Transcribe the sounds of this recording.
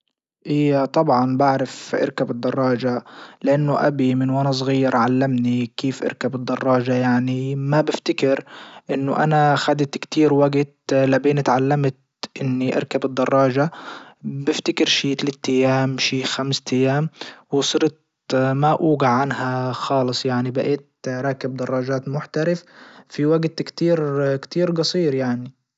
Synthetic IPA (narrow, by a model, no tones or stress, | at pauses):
ʔɪjːat̪ˤɑbʕɑnbaʕɾafʔɪ̰ɾkabɨd̪ːɑrˤːɑːʒalɪʔanːʊʔa̰bimɪnwʔanas̬ˤɣiːɾʕalːamnikiːfʔɪ̰ɾkabɨd̪ˤːɑrˤːɑːʒajaʕnimabɪft̪ɪkɪɾʔɪnːʊʔa̰naxad̪ɪt̪kt̪iːɾwaɡt̪labiːnɪt̪ʕalːamt̪ | ʔɪnːiʔɑ̰ɾˤkabɨd̪ːɑrˤːɑːʒa | bɪft̪ɪkɪɾʃiːt̪alaːt̪ːajːaːmʃiːxamst̪ʰajːaːmwɪsˤɨɾt̪̚ | maʔuːɡaʕʕanhaxɑːlɨsˤjaʕnibaʔeːt̪ɾˤɑːkɪb̚d̪ɑrˤːɑːʒaːt̪mʊħt̪aɾɪffiwaɡt̪kt̪iːɾkt̪iːɾɡɑsˤiːɾjaʕni